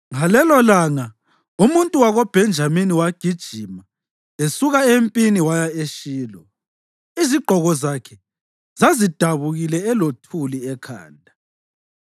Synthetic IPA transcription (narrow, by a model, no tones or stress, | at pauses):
ŋalɛlɔlaŋa | umuntʼuwaɣob̥ʱɛnd͡ʒʱaminiwaɡ̥ʱid̥ʒ̥ʱima | esuɣaempʼiniwajaeʃiːlɔ | iziɡ͡ǃʱɔɣɔzakʰɛ | zazid̥ʱaβuɣilɛɛlotʰuliɛkʰa̰ːndʱa